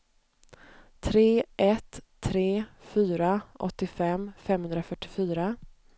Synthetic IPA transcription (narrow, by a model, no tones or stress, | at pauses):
t̪ʰɾeːʔɛt̪ʰː | ɾeːfyːɾaʔɔ̰t̪ːɪfɛmːfɛmːhɵnd̪ɾafœʈːɪfyːɾa